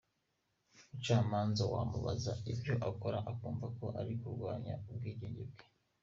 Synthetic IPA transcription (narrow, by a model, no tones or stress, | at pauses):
mut͡ʃaːmaːnzawaːmuβa̰zaibjo̞ʔako̞ɾaʔakuːɱvako̞ʔaɾikuɾɡwaːɲaub̚ɡiːɟeːɲɟeb̚ɡe